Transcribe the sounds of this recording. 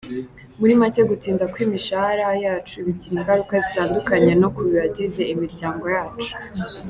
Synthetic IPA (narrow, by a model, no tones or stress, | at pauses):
muɾimace̞ɡutiːndakwiːmiʃahaɾajaːt͡ʃuiβiɟiɾiŋɡaɾukazitaːndukaɲe̞no̞kuβiɾaɟize̞imiɾɟaːŋɡo̞jaːt͡ʃu̥